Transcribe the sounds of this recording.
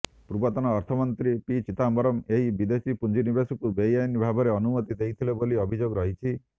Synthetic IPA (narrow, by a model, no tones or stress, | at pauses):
pɾubɔt̪ɔnɔːɾt̪ʰɔmɔnt̪ɾipit͡ʃit̪ambɔɾɔmeɦibid̪esipund͡ʒinibesɔkubejanibʱabɔɾeɔnumɔt̪id̪ejt̪ʰileboliɔbʱid͡ʒoɡɔɾɔɦit͡ʃʰi